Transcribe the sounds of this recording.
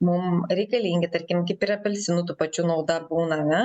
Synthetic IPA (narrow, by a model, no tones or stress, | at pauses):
mʊmɾʲɛɪkɐlʲiŋʲɡʲɪt̪ɐɾʲkʲɪmkʲɪpʲiɾɐpʲɛlʲsʲɪnut̪uːpɐt͡ʃʲunɐʊd̪ɐbuːnɐnɐ